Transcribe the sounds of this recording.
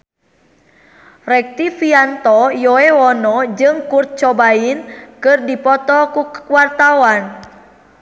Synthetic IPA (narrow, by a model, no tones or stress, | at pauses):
rɛk̚t̪ifiant̪ɔjoewɔnɔd͡ʒɨŋkurt̪̚t͡ʃɔbainkɨrdipɔt̪ɔkuwart̪awan